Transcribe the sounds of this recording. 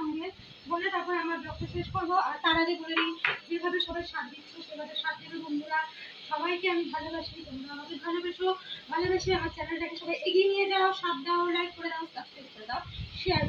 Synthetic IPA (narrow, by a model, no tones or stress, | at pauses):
ɔmɡe | bolet̪akoɾamɾaɾbɾokt̪ʰoʃeʃkoɾboaɾt̪aɾaɡebolenid͡ʑiɾbʱabeʃɔbajɾʃat̪d̪ikʃoʃeɾbʱab̪eɾʃat̪̚d̪ikebond̪ʱuɾa | ʃɔbajkeamibʱalobaʃiɾibond̪uaad͡ʑebʱalobeʃobʱalobaʃiamaɾt͡ɕɛnelʈakeʃɔbʱajʔeɡinijed̪ɛwaoʃat̪̚d̪aoɾlajk̚koɾed̪aot̪ast̪epoɾet̪aʃiaɾ